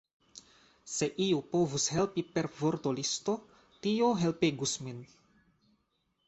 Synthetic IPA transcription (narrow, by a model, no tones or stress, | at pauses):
se̞ʔiupo̞vushe̞lpipe̞ɾvo̞ɾt̪olist̪o̞ | tioɦe̞lpeɡusmin